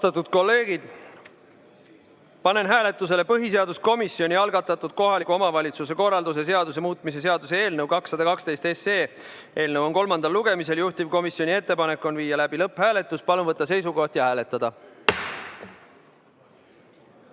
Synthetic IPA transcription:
t̪ɑt̪ːˑud̪̥̚ko̞lːe̞ːɡ̥id̪̥ | pɑne̞nɦæːle̞t̪ˑːus̬e̞le̞pɤɦise̞ɑd̪usko̞misːio̞nʲiɑlɡɑt̪ːˑɑt̪ːˑud̪̥̚ko̞ɦɑlikːuo̞mɑvɑlʲit̪suse̞ko̞rːɑld̪use̞s̬e̞ɑd̪us̬e̞muːt̪ˑmis̬e̞s̬e̞ɑd̪̥usee̞ːlnəwkɑksːɑd̪ɑkɑkst̪e̞jst̪e̞se̞ː | ʔe̞ːlnəwonko̞lmɑnd̪̥ɑlːuɡ̥e̞mise̞ljuht̪ivko̞misːio̞nʲie̞t̪ːe̞pɑne̞kːˑo̞nviːjɑlæb̥ilɤpːˑhæːle̞t̪ːˑuspɑlunvɤt̪ːˑɑse̞jsuko̞ht̪jɑhæːle̞t̪ːˑɑd̪̥ɑ

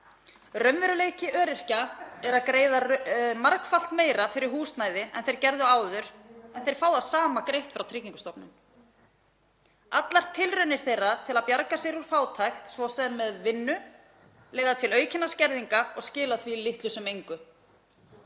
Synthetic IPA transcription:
rœmvɛɾʏleːjcɪʔœːɾɪr̥caɛɾaðkɾeːjðamaɾkfal̥t̪meːjɾafɪɾɪɾɦuːst̪naːjðɪɛ̰nθejɾ̥cɛɾðʏaːwðʏɾ̥ɛnθejɾ̥faːwðasaːmakɾejht̪fɾawt̪ʰɾɪciŋkʏst̪ɔpnʏm | at̪laɾ̥t̪ʰɪlrʏnɪɾ̥θejrat̪ʰɪlaðpjaɾkasɛɾuɾ̥faːwt̪ʰajxt̪svɔsɛmːɛðvɪnːʏ | leːjðat̪ʰɪlœːɥcʰɪnːascɛɾðiŋkaɔɣscɪːlaθvilɪht̪lʏsɛmejŋkʏ

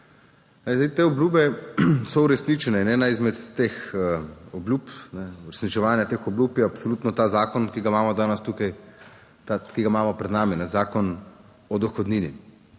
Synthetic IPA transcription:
nɛjzd̪ɛɪjt̪eːɔblʲuːbɛsɔuɾɛsnit͡ʃɛnɛnɛːnaizmɛt̪ːeːx | ɔbljuːpnɛuɾɛsnit͡ʃɛʋaːnjat̪eːxɔblʲuːpjɛapsɔluːt̪nɔt̪aːzaːkɔnkiɡamaːmɔd̪aːnəst̪ukaj | t̪akiɡamaːmɔpɾɛd̪naːminɛzaːkɔn | ɔd̪ɔxɔd̪niːnḭ

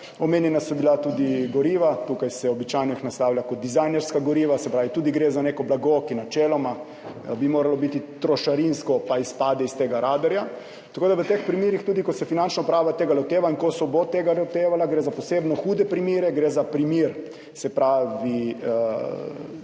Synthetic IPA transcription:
ɔmeːnjɛnasɔbilat̪uːd̪iɡɔɾiːʋat̪uːkajsɛɔbit͡ʃajnɔixnast̪awlʲjakɔt̪d̪izajnɛɾskaɡɔɾiːʋasɛpɾaːʋit̪uːd̪iɡɾeːzaneːkɔblaɡokinat͡ʃeːlɔma | bimoːɾalɔbit̪it̪ɾɔʃaɾinskɔpaispaːd̪ɛist̪eːɡaɾaːd̪ɛɾja | t̪akoːd̪aʋət̪expɾimiːɾixt̪uːd̪ikosɛfinant͡ʃnɔpɾaːʋat̪eːɡalot̪eːʋaiŋkosɔbot̪eɡalot̪eːʋalaɡɾeːzaposeːbnɔxuːd̪ɛpɾimiːɾɛɡɾezapɾimiɾ | sɛpɾaːʋi

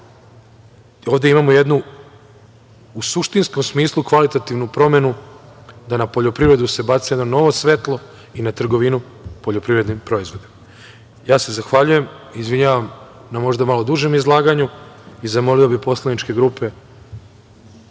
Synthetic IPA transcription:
o̞ːʋd̪e̞imamoje̞d̪nu | usuʃt̪insko̞msmiːslˠukʋalit̪at̪iʋnupɾo̞me̞nu | d̪anapo̞ʎo̞pɾiʋɾe̞d̪use̞bat̪sijd̪no̞no̞ʋo̞sʋe̞t̪lˠo̞ | inat̪r̩ɡo̞ʋinu | po̞ʎo̞pɾiʋɾe̞d̪nimpɾo̞izʋo̞d̪im | jaːse̞zaxʋaʎuje̞mizʋiɲaːʋamnamo̞ʒd̪amalo̞d̪uʒe̞mizlˠaːɡaɲuizamo̞liobipo̞slˠanit͡ʃke̞ɡɾuːpe̞

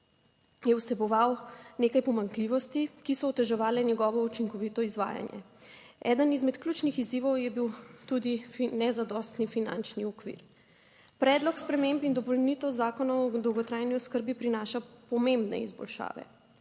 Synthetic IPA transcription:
jɛwsɛbɔʋawnekajpɔmaŋkliʋɔst̪ikisɔːt̪ɛʒɛʋaːlɛnjɛɡɔːʋɔut͡ʃiŋkɔʋit̪ɔizʋa̰ːja̰njɛ̰ | ɛ̰ːd̪ənizmɛt̪klut͡ʃnixiziːʋɔwjɛbiwt̪ud̪ifnɛzad̪ɔst̪nifina̰nt͡ʃniɔkʋḭːɾ | pɾɛːd̪lɔkspɾɛmempind̪ɔpɔlnit̪ɛwzaːkɔnɔwɔd̪ɔwɡɔt̪ɾaːjniɔskəɾbipɾinaːʃapɔmembnɛ̰izbɔ̰lʃa̰ːʋɛ̰

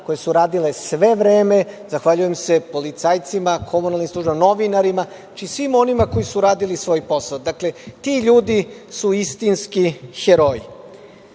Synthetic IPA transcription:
kojesuɾaːd̪ile̞sʋe̞ʋɾeːme̞zaxʋaʎuje̞mse̞po̞lit̪sajt̪simakʰo̞munalnimsˠuːʒbamno̞ʋinaɾima | at͡ʃisʋimo̞nimako̞jisuɾaːd̪ilisʋo̞ːjpo̞saod̪akle̞t̪iʎuːd̪isuist̪inskixeɾoji

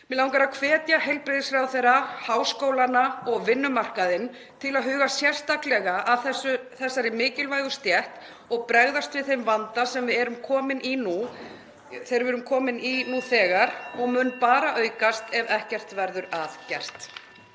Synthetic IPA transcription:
mɪlaːwŋkaɾakʰvɛːt̪jahejlpɾɪðɪsfɾawθejɾahaːwskowlanaɔɣvɪnːʏmar̥kaðɪn | t̪ʰɪlaðɦʏːɣasjɛr̥st̪aklɛɣaʔaðθɛsʏθɛsːaɾɪmɪːcɪlvaːjɣʏst̪jɛht̪ | ɔɣpɾɛɣðast̪vɪðθejmvant̪asɛmvɪðɛɾʏmkʰɔːmɪninu | θejɾvɪvɛɾʏmkʰɔːmɪninuθɛːɣaɾɔɣmʏnːpaːɾaʔœɥkast̪ɛvɛhcɛr̥t̪vɛɾðʏɾaðcɛr̥t̪

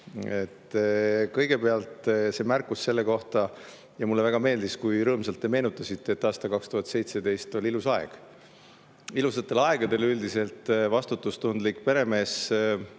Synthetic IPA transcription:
e̞t̪ːkɤ̞jɡ̥e̞pe̞ɑlt̪ˑse̞mærkːˑusːe̞lːe̞ko̞ht̪ɑ | jɑmulːe̞væɡ̥ɑme̞ːld̪iskujɾɤːmsɑlt̪ːeme̞ːnut̪ːˑɑsit̪ːe̞ːt̪ːˑɑːst̪ɑlkɑkst̪uhɑt̪se̞jt̪se̞d̪e̞jst̪o̞lʲilusɑḛɡ̥ | ilusɑt̪ːˑe̞lɑeɡ̥ɑd̪e̞lyld̪ise̞lt̪ˑvɑst̪ut̪ːˑust̪und̪likpe̞ɾe̞me̞ːs

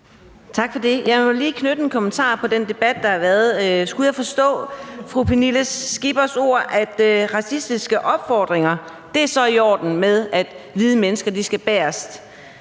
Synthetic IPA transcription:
t͡sʰɑ̈ɡ̥fɒ̽d̥e̝jɑ̈ɪmɒ̽liːkʰnød̥əenkʰo̽mənt͡sʰɑ̰̈ːpʰɒ̽d̥end̥e̝b̥æd̥̚ːɑ̈hɑ̈ʋæːɐðˠsɡ̥ujɑfɒ̽sd̥ɔ̰̽ːfʁupʰiniləsːɡ̥ib̥ɐso̝ɐ̰ʔæd̥ʁɑ̈sisd̥isɡ̥əʔɒ̽b̥fɒːd̥ʁeŋɐ | d̥e̝æɐsɒ̽iɒ̰ːd̥n̩með̞ˠæd̥ʋiːð̞ˠəmenəsɡ̥ɐd̥isɡ̥æb̥æːɐsd̥

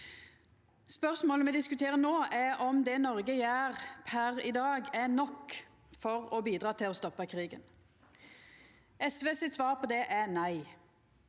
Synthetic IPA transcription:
spœʁsmoːləmɛd̪ɪskʉt̪ʰeːʁənoːʔæɔmd̪ɛnɔʁɡəjæːʁpʰæʁɪd̪ɑːɡæʁnɔkː | fɔʁɔbiːd̪ʁɑːt̪ʰɪlɔst̪ɔpːəkʰʁiːɡə̰n | ɛsʋeːsɪt̪sʋɑːʁpʰɔd̪ɛʔænæɪ

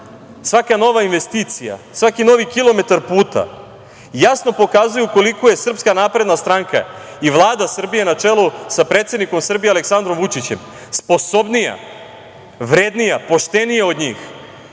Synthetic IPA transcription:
sʋakano̞ʋainʋe̞st̪it̪sija̰sʋakino̞ʋikilo̞me̞t̪aɾpuːt̪a̰ | jasno̞po̞kaːzujuko̞likoje̞sr̩pskanaːpɾe̞d̪nast̪ɾaŋka̰ | iʋlˠaːd̪asr̩bije̞nat͡ʂe̞lusapɾeːt̪se̞d̪niko̞msr̩bijealeksand̪ɾo̞mʋut͡ʂit͡ɕem | spo̞so̞bnija̰ | ʋɾeːd̪nijapo̞ʃt̪e̞nijeo̞d̪ɲiːx

